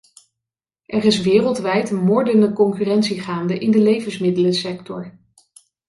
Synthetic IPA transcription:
ʔɛrɪsʋɪːrəlˠtʋɛjtmɔɹdənəkɔŋkyrɛntsiχaːndəʔɪndəlejvənsmɪdələsɛktɔɹ

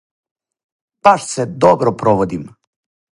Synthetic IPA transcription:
b̥aʃsed̪obɾopɾoʋod̪im

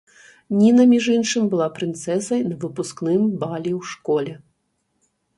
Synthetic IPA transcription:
nʲinɐmʲiʐinʂɨmʲbɨlˠapɾɨnt̪sɛsɐjnɐvɨpusknɨmbalʲiwʂkɔlʲɛ

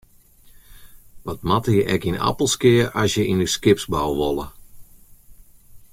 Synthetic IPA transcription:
ʋɔt̚matəjəʔɛkina̰pəlˠskɪərʔasjəinyskɪpsbawʋɔlˠə

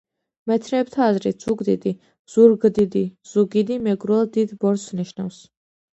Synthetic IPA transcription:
mɛt̪ʰnɛːp̚t̪ʰaːzɾit̪ʰz̥uɡd̪id̪i | z̥uɾɡd̪id̪iz̥uɡid̪imɛɡɾɛlˠd̪id̪bɔɾsniʃna̰fs

